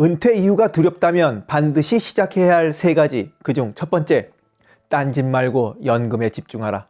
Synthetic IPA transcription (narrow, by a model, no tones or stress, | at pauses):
ɯntʰwe̞ijuɡatuɾjʌp̚t͈amjʌnpandɯɕʰiɕʰid͡ʑakʰe̞ɦaɭsʰe̞ɡad͡ʑikɯd͡ʑuŋt͡ɕʰʌt̚p͈ʌnt͡ɕ͈e̞ | t͈and͡ʑimmaɭɡojʌnɡɯme̞t͡ɕip̚t͡ɕ͈uŋɦaɾa